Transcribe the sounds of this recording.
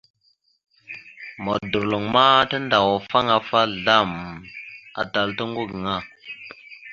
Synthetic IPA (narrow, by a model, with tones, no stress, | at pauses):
mo˨du˨ɾlo˨ŋma˦tə˦nda˨wa˨fa˦ŋa˨fa˦ɮa˦˨m | a̰˨ta˨ltə˦ŋ˦ɡu˦ɡə˨ŋa˦˨